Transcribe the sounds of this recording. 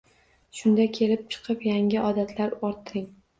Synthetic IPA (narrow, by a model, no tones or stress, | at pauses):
ʃʊnd̪akʲʰe̞lɪp̚t͡ʃʰɨ̥qʰɨpjaŋʲɪʔɒd̪at̪ʰlaɾɒɾt̪ʰːɾɪŋ